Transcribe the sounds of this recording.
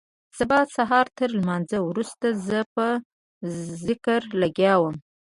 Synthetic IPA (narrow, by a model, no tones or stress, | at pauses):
sabɑd̪saɦɑɾt̪əɾlmɑnzəwɾust̪azəpə | zɪkəɾlaɡjɑwəm